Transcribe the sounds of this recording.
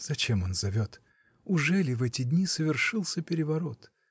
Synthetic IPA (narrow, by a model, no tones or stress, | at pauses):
z̥ɐt͡ɕemo̞nzɐvʲo̞t̪ | ʊʐɛlʲɪvɛtʲɪdʲnʲisəvʲɪrʂɨlˠsʲəpʲɪɾʲɪvɐɾo̞t̪